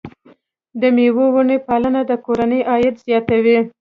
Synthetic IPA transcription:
d̪əmewowunepalənad̪əkoɾanəjʔɑjat̪zjɑt̪awi

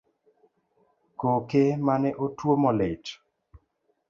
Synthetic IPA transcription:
kokemanɛʔotwomɔlɪt͡ʃ

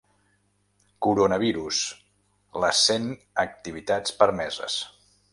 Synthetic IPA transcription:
kuɾonəβ̞iɾus | ləsen | ək̚t̪iβ̞it̪at͡spəɾmɛzə̰s

